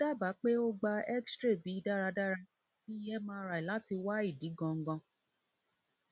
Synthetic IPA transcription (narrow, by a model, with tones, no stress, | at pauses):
da˦˨ba˨˦k͡pe˦o˦ɡ͡ba˧ɛ˦kstɾe˦˨bi˨˦da˦ɾa˧da˦ɾa˧˦ | i˦jɛ˦mãː˧˦ɾa˧˨i˨la˨˦ti˧wa˦i˦˨di˨˦ɡɔ̃˧ŋ̩˦ɡɔ̃˧